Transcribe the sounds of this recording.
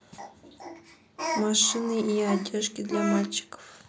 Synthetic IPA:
maʂɨnɨiadʲeʂkʲɪd̪lʲamalʲt͡ɕɪ̥kə̥f

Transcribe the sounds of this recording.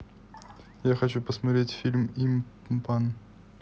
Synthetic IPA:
jaxɐt͡ɕupəsmɐt̪ɾʲetʲfʲilʲmim | pan

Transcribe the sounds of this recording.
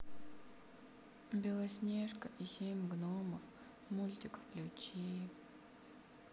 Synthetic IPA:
bʲelˠɐsʲnʲeʂkəʔisʲemʲɡnoməf | mulʲt̪ʲɪkfklʲut͡ɕi

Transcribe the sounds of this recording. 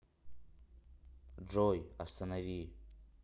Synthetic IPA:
ɖ͡ʐojast̪ʰanavi

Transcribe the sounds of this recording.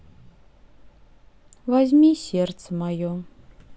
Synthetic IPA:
vazʲmʲisʲert̪səmajo

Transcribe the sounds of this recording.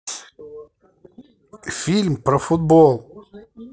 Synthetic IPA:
fʲilʲmpɾɐfut̪̚bolˠ

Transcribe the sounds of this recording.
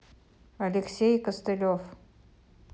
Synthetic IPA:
ɐlʲɪksʲejkəst̪ɨlʲof

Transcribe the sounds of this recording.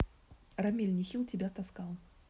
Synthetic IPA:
ramʲelʲnʲixʲilˠtʲɛbʲɛt̪askalˠ

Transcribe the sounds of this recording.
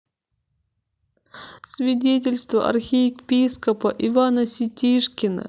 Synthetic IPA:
svʲɪdʲet̬ʲɪlʲst̪və̰ʔɐ̰rxʲipʲiskəpəʔɪvanəsʲɪtʲiʂkʲɪnə̰

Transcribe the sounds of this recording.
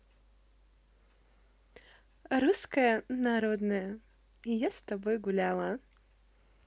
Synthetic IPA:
ɾuskəjənaɾɔd̪nəjə | jast̪ɐbɔjɡʊlʲalˠɐ

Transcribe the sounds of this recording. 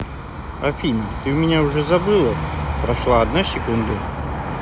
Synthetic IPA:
ɐpʲinʲɪt̪ɨʊmʲɪnʲaʊʐɛzɐbɨlˠəpɾɐʂlˠaɐd̪nasʲɪkund̪ə

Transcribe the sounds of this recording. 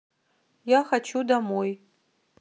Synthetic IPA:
jaxat͡ʃʰudamoj

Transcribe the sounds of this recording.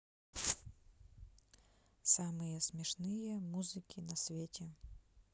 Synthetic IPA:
samɨjɛsʲmʲɛʂnɨjɛmuzɨkʲinɐsʲvʲetʲɛ

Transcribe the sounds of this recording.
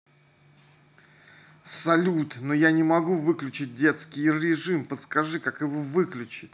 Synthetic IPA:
sɐlʲut̪nojanʲɪmɐɡuvɨklʲʉt͡ɕɪt̚ʲdʲe̞t̪skʲɪjɾʲɪʐɨmpət̪skɐʐɨkakjɪvovɨklʲʉt͡ɕɪtʲ

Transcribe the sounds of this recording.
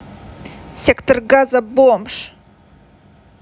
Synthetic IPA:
sʲektʰorɡazabomʂ

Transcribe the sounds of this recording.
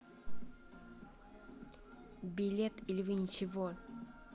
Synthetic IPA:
bʲɪlʲet̪ilʲɪvɨnʲɪt͡ɕɪvo

